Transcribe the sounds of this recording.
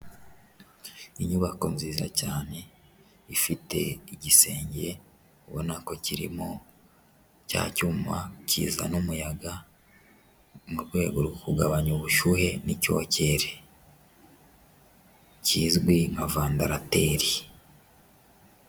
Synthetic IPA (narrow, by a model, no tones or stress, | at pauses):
iɲuβakonziːziɾa̰caːne̞ | ifite̞̰iɟise̞ːɲɟe̞ | βo̰nako̞ciɾḭmo | ca̰ːcuːmacʰḭːza̰numujaɡa | muɾɡwe̞ːɡoɾɡokuɡaβaɲoβuʃuhe̞nico̞̰ːce̞ɾe | ciːzɡwiŋavaːndaɾate̞ːɾi